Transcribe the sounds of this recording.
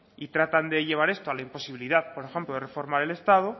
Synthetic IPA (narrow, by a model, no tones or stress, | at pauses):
it̪ɾat̪and̪e̞ʝe̞β̞aɾe̞st̪oalaimpo̞siβiliðaðpo̞ɾexe̞mploðe̞re̞fo̞ɾmaɾe̞le̞st̪að̞o